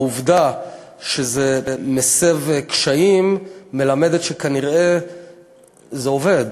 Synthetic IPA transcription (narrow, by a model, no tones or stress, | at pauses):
uvd̪a | ʃezemesevkʃaimːe̞lame̞d̪et̪ʃekaniʁe̞ | zeo̞ve̞d̪